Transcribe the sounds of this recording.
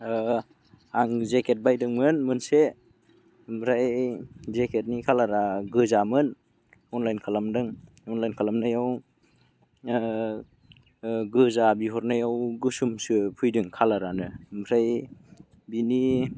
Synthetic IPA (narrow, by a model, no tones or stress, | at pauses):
aŋzeket̚bajdɯŋmɯnmɯnse | mɾajzekʰet̚nikʰalaɾaɡɯzamɯn | ɔnlajnkʰalamdɯŋ | ɔnlajnkʰalamnajaw | ɡɯzabiɦɔɾnajawɡɯsumsɯpʰujdɯŋkʰalaɾanɯmɾaj | bini